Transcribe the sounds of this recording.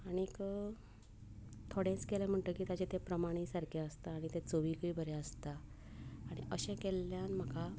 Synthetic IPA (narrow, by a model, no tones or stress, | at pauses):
aɽ̃ik | t̪ʰoɽẽt͡skelem̤əɳʈ̪əkiːt̪at͡ɕet̪epɾəmaɽ̃isaɾkʰeəst̪aːɽ̃it̪et͡soʋikɭiːbʱəɾeəst̪aː | ɽ̃ḭʔəɕẽkelːjanm̤əka